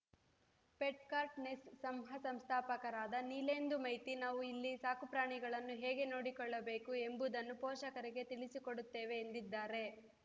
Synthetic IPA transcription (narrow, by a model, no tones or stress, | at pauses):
peʈ̚kaːɾʈnessɐmɦɐsɐmst̪ʰaːpɐkɐɾaːd̪ɐniːleːnd̪umɐjt̪inaːʋuilːisaːkupɾaːɳiɡɐɭɐnːuɦeːɡe̞noːɽikɔɭːɐbe̞ːkue̞mbud̪ɐnːupɔːʃɐkɐɾeɡe̞t̪iɭisikoɽut̪ːe̞ːʋe̞ːnd̪id̪ːaːɾe̞